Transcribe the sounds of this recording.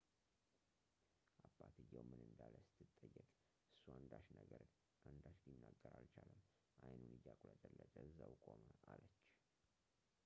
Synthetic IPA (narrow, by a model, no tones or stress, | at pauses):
ʔabat̪ʰɨjːawmɨnɨnd̪aləsɨ̥t̪ʰːɨt̪ʼːəjːəkʼ | ʔɨsːuand̪aʃnəɡəɾ | and̪aʃlinːaɡːəɾalt͡ʃʰaləm | ʔajnunɨjːakʼuləd̪əlːətʼəɨzːawkʼoməʔalət͡ʃː